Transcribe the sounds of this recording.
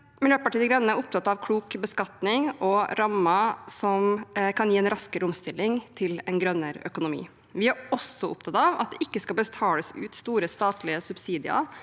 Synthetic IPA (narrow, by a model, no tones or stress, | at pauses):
mɛljøːpɑʈiːd̪əɡɾœnːəæɾʊp̚t̪ɑt̪ːɑʋkʰluːkbəskɑt̪nɪŋɔɾɑmːɑsɔmkʰɑnjiːɛnɾɑskəɾʊmst̪ɪlːɪŋt̪ʰɪlɛnɡɾœnːəɾœ̰kʊnʊmḭː | ʋɪæɾɔsɔʔʊp̚t̪ʰɑt̪ɑʋɑ̰t̪̚d̪ɛ̰ʔɪkːəskɑlbət̪ʰɑːləsʉ̰ːt̪st̪uːɾəst̪ɑːt̪lɪəsʉbsiːd̪ɪɑ̰ɾ